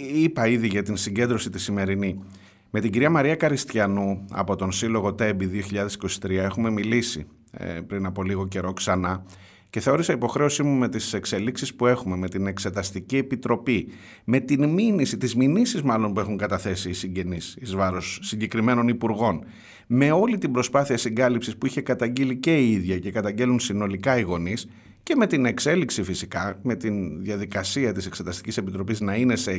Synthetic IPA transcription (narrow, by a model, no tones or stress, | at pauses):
ipɐiðiʝɐt̪insiɲɟe̞nd̪ɾo̞sit̪i̥sime̞ɾini | me̞t̪iɲɟiɾiɐmɐɾiɐkɐɾist̪çɐnuɐ̰po̞t̪o̞nsilo̞ɣo̞t̪e̞biðio̞çiʎɐðe̞si̥ko̞si̥t̪ɾiɐe̞xume̞milisḭ | pɾinɐpo̞liɣo̞ce̞ɾo̞ksɐnɐ | ce̞θeo̞ɾisɐipo̞xɾe̞o̞simume̞t̪ise̞kse̞liksispue̞xume̞me̞t̪ine̞kse̞t̪ɐst̪icie̞pit̪ɾo̞pi | me̞t̪inminisit̪izminisizmɐlo̞npue̞xuŋkɐt̪ɐθe̞siːsiɲɟe̞nisizvɐɾosːiɲɟe̞kɾime̞no̞nipuɾɣo̞n | me̞o̞lit̪ibɾo̞spɐθiɐsiŋɡɐlipsispuiçe̞kɐt̪ɐɲɟilice̞iiðʝɐce̞kɐt̪ɐɲɟe̞lunsino̞likɐiɣo̞nis | ce̞me̞t̪ine̞kse̞liksifisikɐme̞t̪inðjɐðikɐsiɐt̪ise̞kse̞t̪ɐst̪i̥cise̞pit̪ɾo̞piznɐine̞se